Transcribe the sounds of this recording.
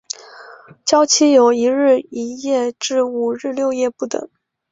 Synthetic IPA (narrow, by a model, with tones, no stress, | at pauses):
t͡ɕjɑ˥ʊt͡ɕʰi˥jo˨˩ʊi˧˥ɻɻ̩˥˩i˧˥jɛ˥˧ʈ͡ʂɻ̩˥˩u˥˩ɻɻ̩˥˧ljo˥˧ʊjɛ˥˧pu˥˩t̪ɤ̰˨˩˦ŋ